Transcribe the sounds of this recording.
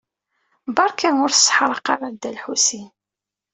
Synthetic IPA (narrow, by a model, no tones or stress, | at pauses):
bɑɾˤkænʊɾθsˤħɾˤəqːɑɾˤad̪ælħusin